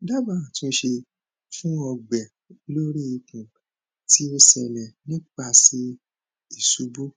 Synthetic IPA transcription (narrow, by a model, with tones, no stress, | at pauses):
da˦ba˨ã˨tũ˦ʃe˧ | fũ˦ɔ˧ɡ͡bɛ˨ | lo˦ɾi˦i˧kũ˨ | ti˦o˧sɛ˨nɛ̃˨nĩ˦k͡pa˧˨si˧˦ | i˦˨su˨˦bu˦